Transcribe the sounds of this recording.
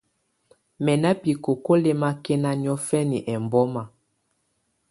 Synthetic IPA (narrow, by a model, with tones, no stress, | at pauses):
mɛ˨na˦pi˨ko˨ko˦le˦ma˦kɛ˦na˦n˦ɔ˦fɛ˦ni˨ʔɛ˨mbɔ˦ma˨